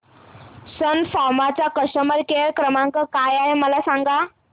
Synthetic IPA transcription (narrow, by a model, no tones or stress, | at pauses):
sənfamat͡sakəʂʈəməɾkeɾkɾəmãŋkəkajaɦeməlasaŋɡa